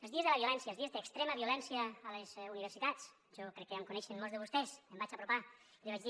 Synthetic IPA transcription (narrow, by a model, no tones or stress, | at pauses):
elˠzðiəzðelaβiulɛnsjaelzðiezðekst̪ɾeməβiulɛnsjaːlezuniβɾsit̪at͡s | ʒɔkɾɛkːeamkunɛʃenmolzðeβust̪ɛsəmbat͡ʃapɾupa | liβad͡ʒði